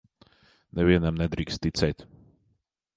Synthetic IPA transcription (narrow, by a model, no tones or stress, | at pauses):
nɛviɛnamnɛd̪ɾiːkst̪ːit̪sɛjt̪